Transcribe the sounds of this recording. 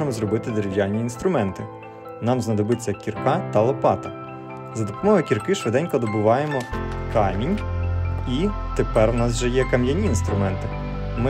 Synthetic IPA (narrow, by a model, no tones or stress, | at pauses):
emɔzrɔbɪt̪ɪd̪eɾeʋʲjɑlʲnʲiːnst̪ɾʊmɛnt̪ɪ | nɑmznɐd̪ɔbɪt͡sʲːɐkʲːirkɑt̪ɐlˠɔpɑt̪ɐ | zɐd̪ɔpɔmɔɦɔkʲirkɪʃʋɪd̪ɛnʲkɐd̪ɔbʊʋɑjemɔkʰɑmʲinʲ | it̪epɛrwnɑs̬ʒɛjɛkɐmjɐnʲiːnst̪ɾʊmɛnt̪ɪ | mɪ